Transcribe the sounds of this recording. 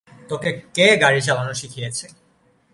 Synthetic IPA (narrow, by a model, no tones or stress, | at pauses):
t̪okekeɡaɾid͡ʑabanuʃikʰijet͡ɕʰe